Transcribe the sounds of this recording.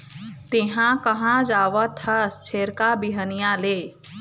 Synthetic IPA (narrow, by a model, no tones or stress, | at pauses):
t̪eɦãkɐɦãd͡ʒaːʋət̪ʰɐst͡ʃʰeːɾkabiɦənijãleː